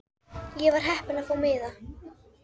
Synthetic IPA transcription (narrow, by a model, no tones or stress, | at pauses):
jɛvaɾ̥ɦɛhpɪnaðfoːwmɪːða